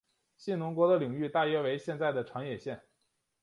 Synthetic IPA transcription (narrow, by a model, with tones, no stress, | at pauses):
ɕi˥˩nʊ˧˥ŋkwɔ˧˥d̪ə˧li˨˩ŋy˥˧t̪a˥˩jɛ˥˩we˧˥ɪɕjɛ˥˧nt͡sa˥˩ɪd̪ə˩ʈ͡ʂʰɑ˧˥ŋjɛ˨˩ɕjɛ˥˩n